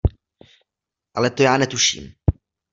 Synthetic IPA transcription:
ʔalɛt̪ojaːnɛt̪uʃḭːm

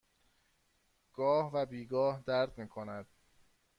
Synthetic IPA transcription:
ɡ̥ɒːhvæbiːɡɒːhd̪æɾd̪miːkʰonæd̪̥̚

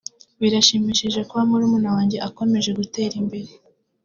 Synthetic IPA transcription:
βiɾaʃimiʃiʒe̞koβamuɾumuːnawaːɲɟeʔako̞me̞ʒe̞ɡute̞ːɾimbe̞ɾe

